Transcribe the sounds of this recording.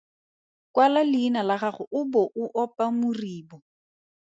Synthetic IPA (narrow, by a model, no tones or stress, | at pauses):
kwalalɪinalaɣaχʊʔʊbɔʔʊʔɔpʼamʊriːbɔ